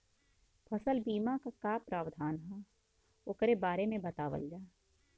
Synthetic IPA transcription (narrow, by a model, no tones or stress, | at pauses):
pʰɐsəlbiːmãkakaːpɾaːwd̪ʱaːnɦɛ | okɾebaːɾemẽbɐt̪aːʋə̰ld͡ʒaː